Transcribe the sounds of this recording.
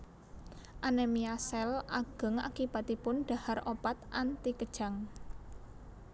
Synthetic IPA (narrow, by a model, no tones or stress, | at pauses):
ʔanɛmiasɛlaɡ̥ə̤ŋa̰kib̥a̤t̪ipʊnɖ̥a̤haropat̪ant̪ikəd̥ʒ̥a̤ŋ